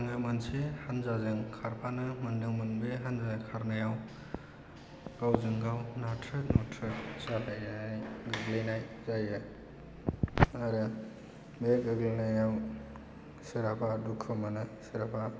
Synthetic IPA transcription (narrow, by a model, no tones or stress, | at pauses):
ŋamansehanzazɯŋkʰaɾpʰanɯmɐndɯŋmɯnbeɦanzazkʰaɾnajaw | ɡ̥awzɯŋɡawnatʰɾɯt̚nɔtʰɾɯt̚salajanajɡɯɡlejnajzajɯ | aɾɯ | beɡɯɡlinajaw | siɾapʰadukʰːɯmanɯsiɾapʰa